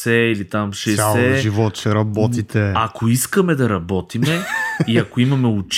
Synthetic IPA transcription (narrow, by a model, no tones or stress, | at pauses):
sɛilit̪amʃɛalɛʒivɔt̪t͡ʃɛɾɐbɔt̪it̪ɛɐkoiskəmɛd̪ɐɾɐbɔt̪imɛiɐkoimɐmɛʊt͡ʃ